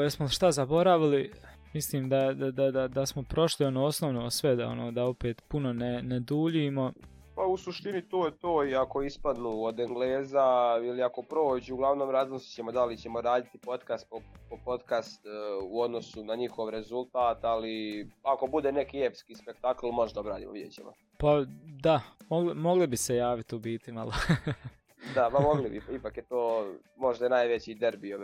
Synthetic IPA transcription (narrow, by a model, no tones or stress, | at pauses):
jesmoʃt̪azabo̞ɾaʋili | misliːmd̪ad̪ad̪ad̪ad̪asmo̞pɾo̞ʃlio̞noːosnoʋnosʋed̪ao̰noːd̪ao̞peːt̪puno̞nened̪uːʎiːmo̞ | pausuʃt̪init̪oːjet̪oːiako̞ispad̪nuːod̪eŋɡleːzailiako̞pɾo̞ːd͡ʑuɡlˠaʋnoːmɾazmosi̥t͡ɕemod̪alit͡ɕemoɾaːd̪it̪ipo̞t̪kast̪̚popopo̞t̪kast̪uo̞d̪no̞sunaɲixo̞ʋɾe̞zulˠt̪aːt̪aliako̞bud̪eːne̞kiepskiːspe̞kt̪akl̩ˠmo̞ʒd̪aobɾa̰ːd̪ḭmoʋid̪jḛt͡ɕḛmo̰ | pad̪amoɡlimo̞ɡlibisejaːʋit̪ubiːt̪imalo | d̪amamo̞ɡlibiipakjet̪oː | mo̞ʒd̪ajenaːjʋe̞t͡ɕid̪eɾbio